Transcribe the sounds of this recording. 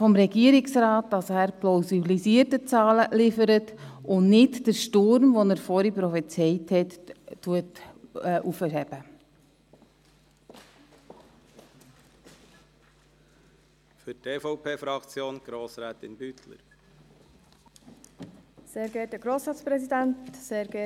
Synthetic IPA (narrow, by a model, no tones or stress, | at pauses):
fɔmɾɛɡiəɾɪksɾɑːt̚d̥ɑsæːɾplawsilisiəɾtət͡sɑːləlɪfəɾətʊnnɪdd̥əɾʃtʊɾmʋɔnəɾfɔɾipɾɔfit͡sɛjthɛtːuətːʔufəhɛb̥ə | fʏteːfɔʊpʰeːfɾɑkt͡sjoːnɡ̥ɾoːsɾɛːt̪ɪnbytlə̰ɾ | seːɾɡɛtdəɡ̥ɾoːsɾɑːt͡spɾɛsid̪æntseːɾɡɛ